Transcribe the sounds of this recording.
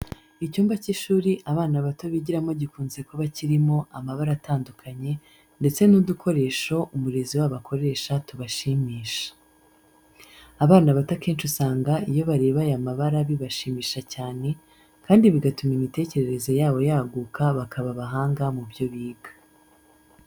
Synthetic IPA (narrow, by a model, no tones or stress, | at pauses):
icuːmbaciʃuːɾiʔaβaːnaβato̞βiɟiɾamo̞ɟikuːnze̞koβaciɾimo̞ʔamaβaɾataːndukʰaɲe̞ | nde̞t͡se̞nudukʰo̞ɾe̞ːʃo̞ʔumuɾe̞ziwaβakʰo̞ɾe̞ːʃatuβaʃiːmiːʃḁ | βaːnaβatake̞ːnt͡ʃusaːŋɡaijo̞βaɾe̞ːβajamaβaɾaβiβaʃiːmiːʃacaːne̞ | kaːndiβiɡatumimite̞ːce̞ɾe̞ɾe̞zo̞jaːβo̞jaɡuːkʰaβakʰaβaβaɦaːŋɡamubjo̞βiːɡḁ